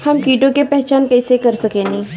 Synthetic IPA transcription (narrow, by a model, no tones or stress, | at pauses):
hɐmkiːʈõkepɛɦt͡ʃaːnkɐːsekɐɾsɐkenĩ